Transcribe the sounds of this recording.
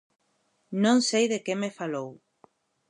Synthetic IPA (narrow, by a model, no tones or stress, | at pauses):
nõŋsejðekemefalow